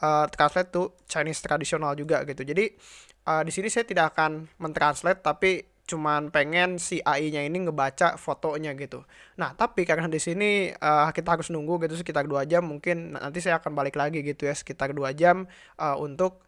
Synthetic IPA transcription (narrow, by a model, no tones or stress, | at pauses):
əːt̪ɾanslɛt̪ːu | t͡ʃanɪst̪ɾadisionald͡ʒuɡaɡit̪ud͡ʒadi | ʔəːdisinisajat̪idakakanmənt̪ɾanslɛt̪ːapi | t͡ʃumanpeŋɛnsiʔaiɲainiŋəbat͡ʃafot̪oɲaɡit̪unaht̪apikarənadisiniəːkit̪aɦaɾʊsnuŋɡuɡit̪̬us̬ə̥kit̪arduad͡ʒamːuŋkɪna̰nt̪̬is̬ajaːkanbalɪklaɡiɡit̪ujasə̥kit̪arduad͡ʒam | ʔəːṵnt̪ʊk̚